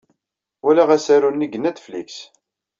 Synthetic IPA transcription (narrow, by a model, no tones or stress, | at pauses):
wælæʁæsæɾunːiɡənæd̪flḭks